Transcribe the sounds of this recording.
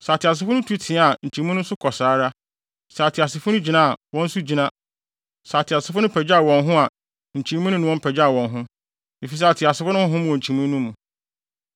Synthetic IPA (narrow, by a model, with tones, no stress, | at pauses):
saː˨tʰɪ˨a˨s̬ɪ˨fʊ˦nʊ̃˦tʰu˦tʰɪ̃˨˦a˦a˨ɲ̩˨t͡ɕʰĩ˨˦m˦ũ˦nʊ̃˦n̩˦sʊ˦kʰɔ˨saː˨˦ɾa˦ | sa˨tʰɪ˨a˨sɪ˨fʊ˦ʊ̃˦d͡ʑi˨nã˦a˨wɔ̃˦n̩˦su˦d͡ʑi˨nã˦ | saː˨tʰɪ˨a˨sɪ˨fʊ˦nʊ̃˦pʰɛ˨d͡ʑa˦a˨wɔ̃˨nɦʊ̃˦a˨ | ɲ̩˨t͡ɕʰĩ˨˦mũ˦nʊ̃˦nʊ̃˦wɔ̃˦m˦pʰɛ˨d͡ʑa˦a˨wɔ̃˨nɦʊ̃˦ | e˨fi˨s̬a˨tʰɪ˨a˨sɪ˨˦fʊ˦nʊ̃˦wɔ̃˦ɦʊ̃˦mũ˨ɔ̃˨t͡ɕʰĩ˨mũ˦nũ˦mũ˨